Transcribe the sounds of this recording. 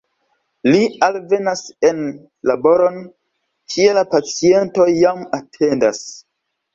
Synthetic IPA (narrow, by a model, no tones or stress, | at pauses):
lialve̞nasen | labo̞ɾon | kʰielapat͡sie̞nto̞jamatʰe̞ndas